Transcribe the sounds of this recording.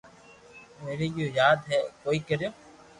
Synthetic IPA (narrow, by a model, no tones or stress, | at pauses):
meːɾeːjoːjaːd̪ɦɛːkoːiːkəɾjoː